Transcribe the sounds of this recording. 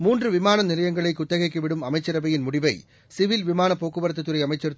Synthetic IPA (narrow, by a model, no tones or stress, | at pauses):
muːndrɯʋɪmaːnɐnɪlɐjɐŋɡɐɭɐɪkːʊt̪ːɐɣɐɪkːɯʋɪɽɯmɐmɐɪt͡ʃːɐɾɐbɐjɪnmʊɽɪʋɐɪ | sɪʋɪlʋɪmaːnɐpːoːkːɯʋɐɾɐt̪̬ːɐt̪ːɯɾɐɪɐmɐɪt͡ʃːɐɾ